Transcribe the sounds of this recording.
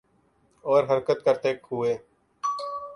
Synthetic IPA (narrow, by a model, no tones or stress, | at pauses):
ɔːɾɦəɾkət̪̚kəɾt̪eːkɦʊeː